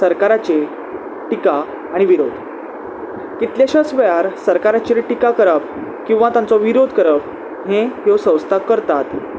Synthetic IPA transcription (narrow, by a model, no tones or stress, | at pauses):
səɾkaɾat͡ɕe | ʈikaː | ɽ̃iʋiɾod̪ʱ | kit̪ljaɕəsʋəjaɾsəɾkaɾat͡ɕiʈikakəɾap | kĩw̃ʋat̪ãnt͡sɔʋiɾod̪ʱkəɾəb | ɦẽɦosə̃w̃st̪ʰakəɾt̪at̪